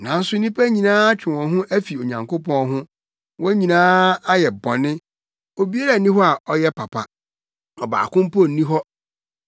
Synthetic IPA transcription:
nã˨n̩˦sʊ˦nĩ˦pʰæ˦ɲĩ˨nãː˦a˦t͡ɕᶣɪ˨wɔ̃˨ɦʊ̃˦ʔæ˦fi˨o˨ɲã˨ŋkʊ˦pɔ̃˦ɦʊ̃˦ | wɔ̃˦ɲĩ˨nãː˦a˦jɛ˨bɔ̃˨nɪ̃˦ | o˨bi˦a˦ɾa˨nĩ˦hɔ˦a˨ʔɔ˦jɛ˦pʰa˨pʰa̰˨ | ɔ˨ba̰ː˨kʊ̃˦m˦pʰo˦˨n̩˨nĩ˦ɦɔ˦

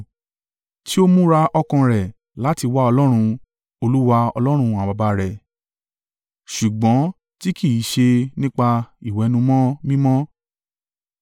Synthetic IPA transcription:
ti˦o˦mũ˦ɾa˧ʔɔ˧kã˧ɾɛ˨ | la˨˦ti˧wa˦ɔ˧lɔ˦ɾ̃ũ˧ | o˧lu˦wa˧ɔ̰˧lɔ˦ɾ̃ũ˧a˨ba˧ba˧ɾɛ˨ | ʃu˨ɡ͡bɔ̃˨˦ | ti˦ki˦˨i˨˦ʃe˧nĩ˦k͡pa˧i˨wɛ˨˦nũ˧mɔ̃˦mĩ˦mɔ̃˦

